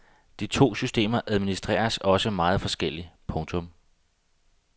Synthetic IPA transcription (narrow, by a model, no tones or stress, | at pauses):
d̥it͡sʰo̝̰ːsysd̥e̝̰ːmɐʔæð̞ˠminisd̥ʁɛ̰ːɐsɒ̽səmɑ̈ːð̩ˠfɒ̽sɡ̥el̰ipʰɔ̽ŋt͡sʰɔ̽m